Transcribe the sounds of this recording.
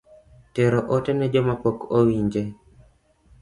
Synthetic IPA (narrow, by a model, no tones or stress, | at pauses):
teɾoʔotɛnɛd͡ʒomapokowiɲd͡ʒe